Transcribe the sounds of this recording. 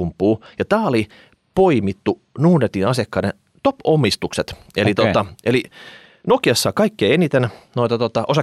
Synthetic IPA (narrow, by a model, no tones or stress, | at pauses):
umpːˑuːjɑt̪æːoli | poimit̪ːu | nuːnet̪inɑsɑkːɑːde | t̪opomːist̪ukset̪ | elit̪ot̪ɑʔeli | nokiɑsːɑːkɑikːeːenit̪ennoit̪ɑt̪ot̪ɑʔosɑ